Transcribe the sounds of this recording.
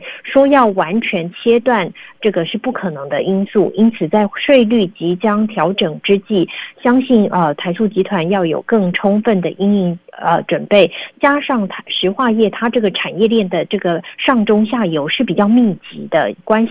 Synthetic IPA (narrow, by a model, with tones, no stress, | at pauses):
ʂwɔ˥jɑ˥˩ʊwa˧˥nt͡ɕʰɥɛ˧˥nt͡ɕʰjɛ˥t̪wa˥˧nʈ͡ʂɤ˥˩ɡə˩ʂɻ̩˥˧pu˥˩kʰɤ˨˩nɤ˧˥ŋd̪ə˧ʔi˥nsu˥˩ʔi˥nt͡sʰɹ̩˨˩t͡sa˥˩˧ɪʂwe˥˧ɪly˥˩t͡ɕi˧˥t͡ɕjɑ˥ŋt̪ʰjɑ˧˥ʊʈ͡ʂɤ˨˩ŋʈ͡ʂɻ̩˥t͡ɕi˥˩ɕjɑ˥ŋɕi˥˩nə˧t̪ʰa˧˥ɪsu˥˩t͡ɕi˧˥t̪ʰwa˧˥njɑ˥˩ʊjo̰˨˩ʊkɤ˥˩ŋʈ͡ʂʰʊ˥ŋfə˥˩nd̪ə˩ʔi˥ŋi˥˩ŋə˧ʈ͡ʂwə˨˩npe˥˩ɪt͡ɕja˥ʂɑ˥˩ŋt̪ʰʂɻ̩˧˥xwa˥˧jɛ˥˩t̪ʰa˥ʈ͡ʂɤ˥˩ɡə˩ʈ͡ʂʰa˨˩njɛ˥˧ljɛ˥˩nd̪ə˩ʈ͡ʂɤ˥˩ɡə˩ʂɑ˥˩ŋʈ͡ʂʊ˥ŋɕja˥˩jo˧˥ʊʂɻ̩˥˩pi˨˩t͡ɕjɑ˥˧ʊmi˥˩t͡ɕḭ˧˥d̪ə̰˧kwa˥nɕi˨